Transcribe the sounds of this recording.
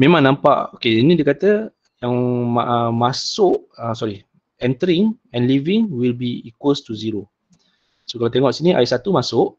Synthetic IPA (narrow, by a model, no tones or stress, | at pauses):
mẽmãŋnãmpaʔokeinĩdiəkat̪ə | jaŋmaʔəmasʊʔəsɔɾi | ɛ̃nt̪əɾiŋ | ɛ̃nlivɪŋwilbiikʊst̪uziɾo | sokalawt̪eŋɔʔsiniʔa̰isat̪umasʊʔ